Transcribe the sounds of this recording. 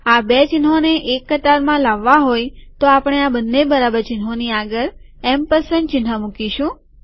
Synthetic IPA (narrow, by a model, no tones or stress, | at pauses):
abet͡ʃɪnɦoneʔekːət̪aɾmãlaʋːaɦojt̪oapɳ̃eabənːebəɾabəɾt͡ʃɪnɦoniaɡəɾ | empəsənɖt͡ʃɪnɦamukiʃũ